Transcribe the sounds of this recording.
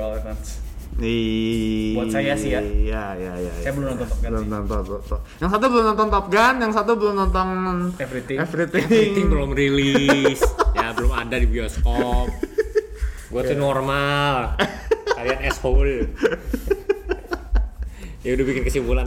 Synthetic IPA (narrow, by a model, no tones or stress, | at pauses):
lkɔns | i | asajasɪjajajaja̰jajabəlʊmɔnt̪ɔŋt̪ɔp̚ɡanɔnt̪ɔŋt̪ɔt̪ɔt̪ɔjaŋsat̪̬ubəlʊmt̪ɔnt̪ɔŋt̪ɔp̚ɡanjaŋsat̪̬ubəlʊmt̪ɔnt̪ɔŋɛfɾitɪŋɛfɾit̪ɪiŋt̪ɪŋbəlʊmrilisjabəlʊmadadibiɔskɔp̚ | ɡuat̪unormal | kaianɛshol | audɛbikɪnkəsimpulan